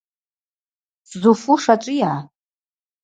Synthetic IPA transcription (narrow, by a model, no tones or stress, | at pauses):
szufuʂaʈ͡ʂʷʼijaː